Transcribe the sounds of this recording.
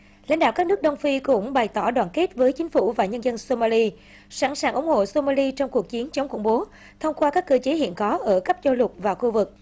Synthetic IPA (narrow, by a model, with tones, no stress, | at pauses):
la̰˧˥ŋɗa̰ː˧˨wkaː˦˥k̚nɨ˦˥k̚ɗə˧wŋ͡mfi˧kʊ̰˧˥ŋ͡mɓa˨˩jt̪ɔ˧˩ɗwaː˨˩nke˦˥t̚vəː˨˦jt͡ɕï˨˦ŋ̟fu˧˩vaː˨˩ɲə˧nzə˧nso˧maː˧li˧ | sa˧˩nsaː˨˩ŋʔʊ˨˦ŋ͡mho̰˧˨so˧maː˧li˧t͡ɕɔ˧wŋ͡mku˨˩ək̚t͡ɕi˨˦ənt͡ɕə˨˦wŋ͡mkʊ̰˧˩ŋ͡mɓo˨˦ | t̪ʰə˧wŋ͡mkwaː˧kaː˦˥kːɨ˧t͡ɕe˨˦ɦḭ˧˨ənkɔ˨˦ʔəː˧˩kə˦˥p̚zɔ˧lʊ˨˩t̚vaː˨˩xu˧vɨ˨˩k̚